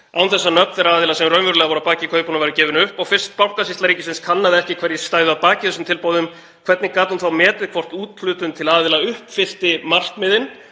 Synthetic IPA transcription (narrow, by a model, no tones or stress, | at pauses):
a̰wnθɛsːanœpθɛɾaaːðɪlasɛmrœɥnmvʏɾʏlɛɣavɔɾapaːcɪkʰœːɥpunavajɾʏcɛːvɪnʏhpɔɣfɪr̥st̪̚pawhkasist̪aɾiːcɪsɪnskʰanːaðɪɛhcɪkʰvɛɾjɛst̪aːjðʏaðpaːcɪθɛsʏmt̪ʰɪlpoːwðʏm | kʰvɛt̪nɪkaːt̪unθawmɛːt̪ɪðkʰvɔr̥t̪uːt̪lʏːt̪ʏnmt̪ʰɪlaːðɪlaʏhpfɪr̥t̪ɪmar̥k̪mɪðɪn